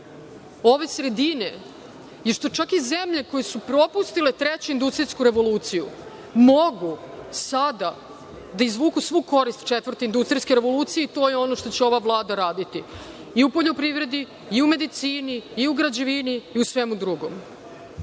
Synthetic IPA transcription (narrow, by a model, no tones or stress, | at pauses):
o̞ʋe̞sɾe̞d̪ine̞̰ | jeʃt̪o̞t͡ʃakizemʎe̞ko̞jesupɾo̞pust̪ile̞t̪ɾet͡ɕeind̪ust̪ɾiskuɾe̞ʋo̞luːt̪sijṵ | moɡu | sad̪a | d̪aizʋuːkusʋuːko̞ɾist̪t͡ʃet̪vrt̪eind̪ust̪ɾijske̞ɾe̞ʋo̞luːt̪sije̞it̪o̞ːjeo̞no̞ʃt̪o̞t͡ɕeo̞ʋaʋlˠaːd̪aɾaːd̪it̪i | iupo̞ʎo̞pɾiʋɾe̞d̪iː | ume̞d̪it̪siːniːuɡɾad͡ʑeʋiniːusʋemud̪ɾuɡo̞̰m